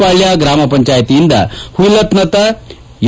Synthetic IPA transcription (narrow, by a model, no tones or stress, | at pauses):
paɭjaɡɾamapəɲt͡ɕajt̪iːnd̪a̰hulət̪nət̪a | j